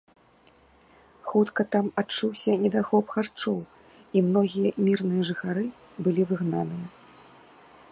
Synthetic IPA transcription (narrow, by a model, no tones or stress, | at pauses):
xut̪kɐt̪amat͡ʂuwsʲɐnʲɛd̪axɔpxart͡ʂɔw | imnɔɣʲijɐmʲirnɨjɐʐɨxaɾɨ | bɨlʲivɨɣnanɨjɐ